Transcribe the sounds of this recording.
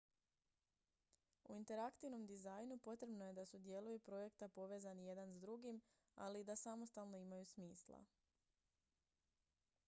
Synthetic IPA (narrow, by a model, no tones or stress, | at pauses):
ṵint̪e̞ɾakt̪iʋno̞md̪izajnupo̞t̪ɾe̞bno̞je̞d̪asud̪je̞lujupɾo̞je̞kt̪apo̞ʋe̞ːzanije̞d̪anzd̪ɾuɡim | a̰lid̪asamo̞st̪alˠno̞imajusmiːslˠa̰